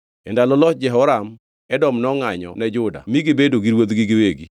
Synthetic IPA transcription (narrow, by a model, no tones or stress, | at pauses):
ɛndalɔlɔt̚d͡ʒɛɦɔɾam | ɛdɔmnɔŋaɲɔ̰nɛd͡ʒʊda̰miɡɪbedoɡiɾwot̪ɡɪɡɪweɡi